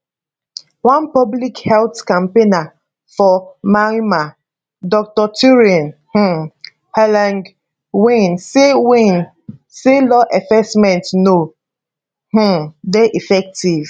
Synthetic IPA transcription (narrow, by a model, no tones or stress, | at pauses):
wãnpɔblikhɛlθkãmpena | fɔmaima | dɔk̚tɔtʰuɹiɔ̃nh̩ | hɛlãŋɡ | wĩnsewĩn | selɔʔɛfɛsmɛ̃ntno | h̩dɛʔifɛk̚tiv̥